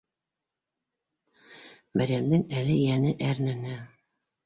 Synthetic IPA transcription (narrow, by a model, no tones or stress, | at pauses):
bæɾæmd̪ɘŋælɘjænɘʔæɾnɘ̆næ